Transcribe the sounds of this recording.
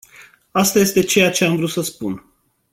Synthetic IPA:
ast̪aje̞st̪e̞t͡ʃe̞jat͡ʃe̞amvɾut̪səspun

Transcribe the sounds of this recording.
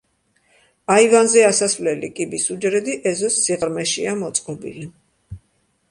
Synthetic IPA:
aivanzɛasasvlɛlikʼibisud͡ʒɾɛd̪iʔɛzɔsːiʁɾmɛʃiamɔt̪sʼqʼɔbḭli

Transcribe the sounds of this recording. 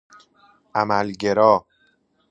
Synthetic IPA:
ʔæmælɟeɾɒː

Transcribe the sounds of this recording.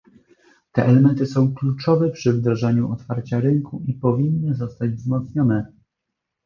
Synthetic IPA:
t̪ɛʔɛlɛmɛnt̪ɘsɔ̃w̃klut͡ʂɔvɛpʂɘvd̪ɾaʐɛɲuʔɔt̪faɾt͡ɕaɾɘŋkuipɔvʲinːɘzɔst̪ad͡ʑvzmɔt̪sɲɔnɛ

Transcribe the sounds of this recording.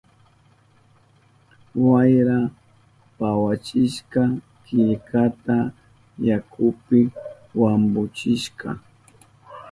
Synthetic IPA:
wajɾa | pawat͡ʃɪʃka | kɪʎkat̪a | jakʰʊpɪ | wambʊt͡ʃɪʃkʰa̰

